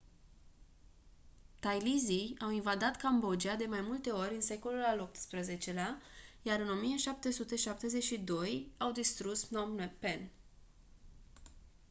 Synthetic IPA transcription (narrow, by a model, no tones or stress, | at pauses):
t̪ajlizijawinvad̪at̪kambo̞d͡ʒiad̪e̞majmult̪e̞o̞ɾʲɨnse̞ko̞lulalo̞p̚t̪spɾəze̞t͡ʃe̞leajaɾɨno̞mijeʃap̚t̪e̞sut̪e̞ʃap̚t̪e̞ze̞t͡ʃid̪o̞jawd̪ist̪ɾusnomnepen